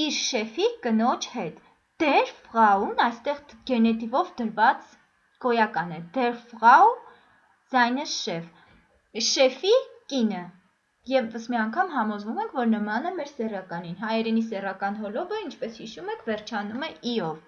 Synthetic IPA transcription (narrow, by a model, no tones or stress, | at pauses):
iɾʃɛfikənɔt͡ʃʰhɛt̪ | d̪̥ɛɾfʁɑunɑjst̪ɛʁɡɛnɛt̪ivɔvd̪əɾvɑt͡s | kɔjɑkɑnɛd̪̥ɛɾfʁɑu | z̥ɑjnəsʃɛv | ʃɛfikinə | jɛvəsmiɑŋkʰɑmɦɑmɔzvumɛŋkʰvɔɾnəmɑnəmɛɾsɛrɑkɑninɦɑjɛɾɛnisɛrɑkɑnɦɔlɔbəint͡ʃʰpɛshiʃumɛkʰvɛrt͡ʃʰɑnumɛiɔv